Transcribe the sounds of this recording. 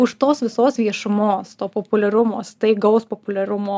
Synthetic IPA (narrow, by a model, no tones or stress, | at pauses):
ʊʃt̪oːsʋʲɪsoːsʋʲiɛʃʊmoːst̪oːpoːpʊlʲɛɾʊmoːst̪ɐɪɡɐʊspopʊlʲɛɾʊmoː